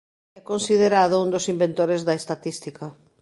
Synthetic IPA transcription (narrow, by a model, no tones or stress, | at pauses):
ɛkonsiðeɾaðʊũnd̪ʊsimbent̪oɾezðɐest̪at̪ist̪ikɐ